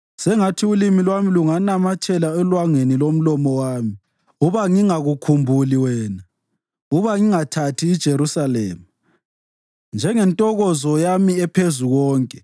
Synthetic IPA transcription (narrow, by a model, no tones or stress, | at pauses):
sɛŋatʰiulimilwamiluŋanamat͡ʃʼɛlaɛlwaŋenilom̩lɔmɔwaːmi | uβaŋiŋaɣukʰumbʱuliwɛːna | uβaŋiŋatʰatʰiːd̥ʒ̥ʱeɾusalɛ̰ːma | nd͡ʒʱɛŋɛntʼɔɣɔzɔjamiɛpʰezuɣɔːŋkʼɛ